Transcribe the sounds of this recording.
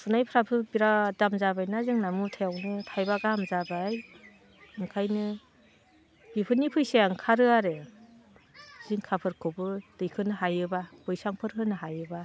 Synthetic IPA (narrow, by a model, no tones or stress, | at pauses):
sɯnajpʰɾapʰɯbiɾadamzabajnazɯŋnamutʰajawnɯtʰajbaɡamzabaj | ɯŋkʰajnɯ | bipʰɯnipʰɯjseaŋkʰaɾɯaɾɯ | z̥iŋkʰapʰɯɾkʰɔbɯd̥ɯjkʰɯnɯɦajɯbabɯjsaŋpʰɯɾkʰɯnɯɦajɯba